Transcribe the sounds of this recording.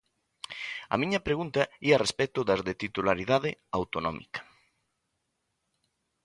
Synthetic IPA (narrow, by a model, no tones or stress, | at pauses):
ɐ̰mĩɲɐpɾeɣunt̪ɐiarespɛt̪ʊðɐzðet̪it̪ulaɾiðaðɪawt̪onɔ̰̃mʔḭkɐ̥